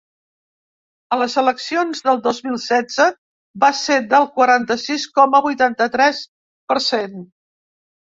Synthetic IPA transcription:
ələzələksionzðəlˠd̪ozmilˠsɛd͡zə | based̪əlˠkwəɾant̪əsiskɔməβujt̪ant̪ət̪ɾɛs | pəɾsen

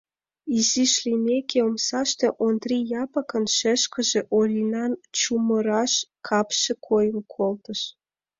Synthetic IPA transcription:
iziʃlʲinʲekʰʲeomsɑʃt̪eʔond̪rijɑpɑkə̆nʃeʃkə̆ʒĕʔolʲinɑnt͡ɕumə̆ɾɑʃkʰɑpʃĕkʰojə̆mkʰolt̪ə̆ʃ

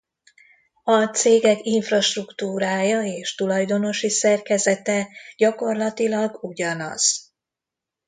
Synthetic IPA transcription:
ɒt̪seːɡɛkiɱfrɒʃt̪rukt̪uːɾaːjɒeːʃt̪ulɒjd̪o̞no̞ʃisɛrkɛzɛt̪ɛɟɒko̞rlɒt̪ilɒɡuɟɒnɒ̰z̥

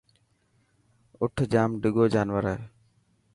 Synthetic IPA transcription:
ʊʈʰd͡ʒaːmɖɪɡoːd͡ʒaːnʋəɾə

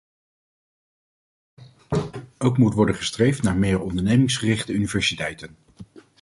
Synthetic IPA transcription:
owkmutʋɔɹdənχəstrejftnaːɹmɪːrɔndəɹnejmɪŋsχərɪχtəynivɛɹsitɛjtən

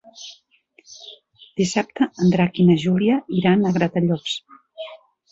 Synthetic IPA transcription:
d̪̥isap̚t̪əːnd̪ɾakinəʒuliəiɾanəɣɾat̪əʎɔks

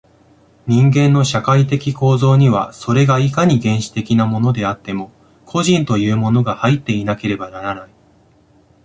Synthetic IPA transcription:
ɲ̟ĩŋɡẽ̞nːo̞ɕakait̪e̞kʲiko̞ːzo̞ːɲ̟iβa̰so̞ɾe̞ɡaikaɲ̟iɡẽ̞ɰ̃ɕi̥t̪e̞kʲinamo̞no̞d̪e̞at̪ːe̞mo̞ | kʰo̞ʑĩnt̪o̞jɯ̟ːmo̞no̞ɡahait̪ːe̞inake̞ɾe̞banaɾanai

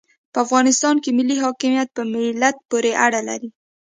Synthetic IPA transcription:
pəafɣɑnɪst̪ɑnkemɪlːiɦɑkɪmjat̪̚pəmɪlat̪̚poɾeʔaɽala̰ɾi

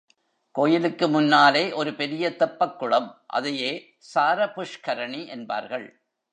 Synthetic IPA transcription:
koːjɪlɯkːɯmʊnːaːleːʔɔɾɯpɛɾɪjɐt̪ɐpːɐkːʊɭɐmʔɐ̰ðɐjeː | saːɾɐpʊʂkɐɾɐɳiʔɛnba̰ːɾɣɐɭ

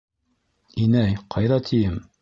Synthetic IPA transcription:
inæjqʰɑjðɑt̪ʰijɘm

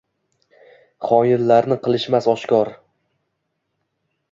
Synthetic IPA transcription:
χɒjɪlːaɾnɪqʰɨlˠɪʃmasɒʃkʲɒɾ

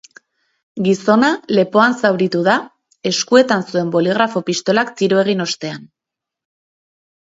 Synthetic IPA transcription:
ɡiso̞nale̞po̞ansawɾit̪uða | e̞skue̞t̪ansue̞mbo̞liɣ̞ɾafo̞pist̪o̞lakt̪iɾoe̞ɣ̞ino̞st̪e̞an

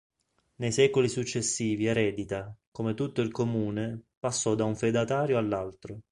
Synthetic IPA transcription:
nejsɛːkolisut͡ʃːesːiːviɛɾɛːd̪it̪akomet̪ut̪ːoilkomuːnepasːɔd̪auɱfed̪at̪aːɾjoalːalt̪ɾo

